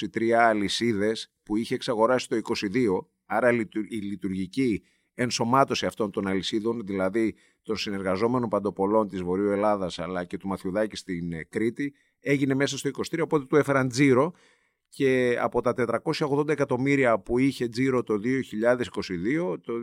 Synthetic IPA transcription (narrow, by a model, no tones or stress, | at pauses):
it̪ɾiɐːlisiðe̞spuiçe̞ːksɐɣo̞ɾɐsi̥t̪o̞iko̞siðio̞ | ɐɾɐilit̪uɾʝici | enso̞mɐt̪o̞siɐft̪o̞nt̪o̞nɐlisiðo̞nðilɐði | t̪o̞nsine̞ɾɣɐzo̞me̞no̞mpɐnd̪o̞po̞lo̞nt̪izvo̞ɾiue̞lɐðɐsɐlɐce̞t̪umɐθuðɐcist̪inkɾit̪i | e̞ʝine̞me̞sɐst̪o̞ikosi̥t̪ɾiopo̞t̪e̞t̪uefe̞ɾɐnd͡ziɾo̞ | ce̞ɐ̰po̞t̪ɐt̪e̞t̪ɾɐko̞sçɐoɣðo̞nd̪ɐekɐt̪o̞miɾiɐpuiçe̞d͡ziɾo̞t̪o̞ðio̞çiʎɐðe̞si̥ko̞siðio̞t̪o